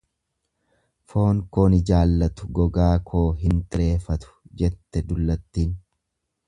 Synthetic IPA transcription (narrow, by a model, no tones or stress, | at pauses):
fo̞ːŋko̞ːnɪd͡ʒaːlːɐt̪ʊ̥ɡɔɡaːkʰo̞ːɦɪnt̪ɪɾe̞ːfɐt̪ʊ̥d͡ʒɛt̪ːɛd̪ʊlːɐt̪ːiːn